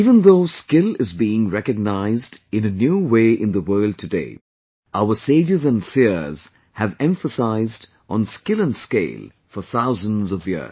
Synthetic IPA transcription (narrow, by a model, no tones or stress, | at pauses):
iːvə̃nðoʊskɪlɪzbiːɪ̃ŋɹɛkɨɡ̚naɪzdɨ̃nɨnjuːweɪʔɪ̃nðəwɜ˞lˠd̚tʰɨdḛɪ | ʔaʊəseɪd͡ʒɨzə̃nsiz̥ | hɨvɛ̃ɱfəsaɪzd | ʔə̃nskɪlə̃nskḛɪlˠ | fəθaʊzə̃nzʌvjḭ̥˞